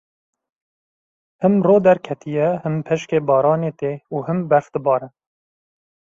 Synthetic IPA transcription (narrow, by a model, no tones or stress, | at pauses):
hɨmroːd̪ɛɾkʰɛt̪ʰijɛhɨmpʰɛʃkeːbɑːɾɑːneːt̪eːuːhɨmbɛɾfd̪̥ɨbɑːɾɛ